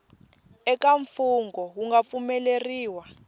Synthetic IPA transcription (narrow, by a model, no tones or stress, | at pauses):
ɛk̬ʼaɱfuŋɡɔwuŋɡap̪fumɛleriːwa